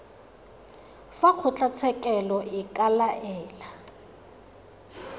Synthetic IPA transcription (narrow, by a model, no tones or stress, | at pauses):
fak͡xʰʊt͡ɬʼat͡sʰɛkʼɛlɔʔɪkʼalaʔɛːla